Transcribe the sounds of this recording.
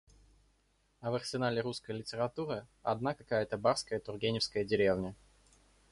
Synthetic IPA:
ɐvɐrsʲɪnalʲɪɾuskəjlʲɪtʲɪɾɐt̪uɾɨɐ̰d̪nakɐkajət̪əbaɾskəjət̪ʊrɡʲenʲɪfskəjədʲɪɾʲe̞vnʲə

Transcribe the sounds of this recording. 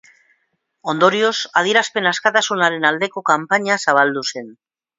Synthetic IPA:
o̞nd̪o̞ɾio̞sað̞iɾaspe̞naskat̪asunaɾe̞nald̪e̞ko̞kampaɲasaβ̞ald̪use̞n

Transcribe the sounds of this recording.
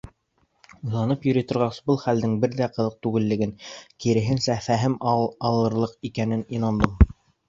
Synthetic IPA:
ujlˠɑnɤpjɵ̆ɾit̪ŏɾʁɑsbɤlˠχæld̪ɘŋbɘɾðæqɤ̆ðɤq̚t̪ʉɡɘ̆lːɘ̆ɡɘŋkiɾɘ̆ɦɘnsæfæɦɘmɑlˠɤ̆ɾlˠɤqikænɘninɑnd̪ɤm

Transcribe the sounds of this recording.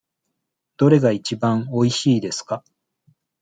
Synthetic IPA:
d̪̥o̞ɾe̞ɡait͡ɕibãŋo̞iɕiːd̪e̞sɨ̥ka

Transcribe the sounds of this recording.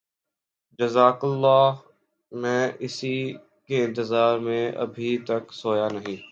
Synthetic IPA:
d͡ʒɐzaːkɐlːaːɦ | mɛ̃ːʔɪsi | keɪ̃nt̪ɪzaːɾmẽʔɐ̰bʱit̪ɐksoːjaːnɐɦĩː

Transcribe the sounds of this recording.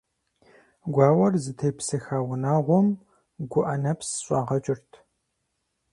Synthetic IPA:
ɡʷɑːwɐrzɨtʰejpsɨxaːwʊnaːʁʷɔm | ɡʷʊʔɐnɐpsɕʷʼɑːʁɐt͡ʃʼɪrtʰ

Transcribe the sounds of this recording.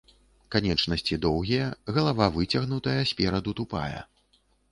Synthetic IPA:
kanʲɛt͡ʂnɐsʲt͡sʲid̪ɔwɣʲijɛɣɐlˠavavɨt͡sʲɐɣnut̪ɐjɐsʲpʲɛɾɐd̪ut̪upa̰jɛ̰

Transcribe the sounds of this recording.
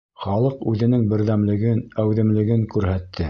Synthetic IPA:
χɑlˠɤqʉðɘ̆nɘŋbɘ̆ɾðæmlɘ̆ɡɘnæwðɘ̆mlɘ̆ɡɘŋkʉɾɦæt̪ʰːɘ

